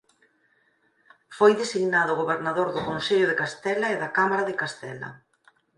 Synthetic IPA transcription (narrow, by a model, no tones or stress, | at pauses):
fojðesiɣnaðʊɣoβeɾnaðoɾðʊkonseʎʊðekast̪ɛlaeðakamaɾaðekast̪ɛlɐ̰